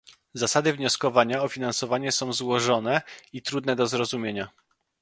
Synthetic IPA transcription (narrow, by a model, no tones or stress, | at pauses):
zasad̪ɘvɲɔskɔvaɲaɔfʲinansɔvaɲɛsɔ̃w̃zwɔʐɔnɛit̪ɾud̪nɛd̪ɔzɾɔzumʲjeɲa